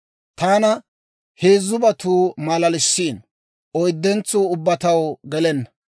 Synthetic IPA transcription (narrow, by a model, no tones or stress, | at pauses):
t̪aːnɐ | heːzːʊbɐt̪uːmɐlɐlɪʃːiːn | ɔjd̪ːɛnt͡suːʊbːɐt̪ɐwɡɛlɛnːɐ